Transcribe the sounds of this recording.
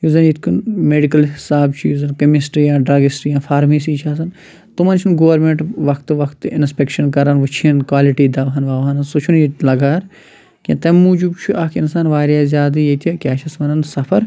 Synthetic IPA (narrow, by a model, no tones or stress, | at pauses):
juzɐnjit̪ʰkʰunmeːɖikɐlɦisaːbt͡ʃʰujuzɐnkɐmisʈɾjãːɖɾaːɡisʈɾjãːfʰaːɾmeːs̬iːt͡ʃʰaːs̬ɐn | t̪umɐnt͡ʃʰunɡoːʋɐɾmẽɳʈʋɐkʰt̪ʋɐkʰt̪ɪnspʲekʃɐnkɐɾɐnʋut͡ʃʰinkwaːliʈiːd̪ɐʋɐɦɐnʋaːʋɦɐnɐsut͡ʃʰunilɐɡaːɾ | kʲḭ̃t̪ɐmːuːd͡ʒubt͡ʃʰuʔɐːkʰinsaːnʋaːɾjaːzʲjaːd̪ijet̪ʰikʲaːʃʰɐsʋɐnɐnsɐpʰɐɾ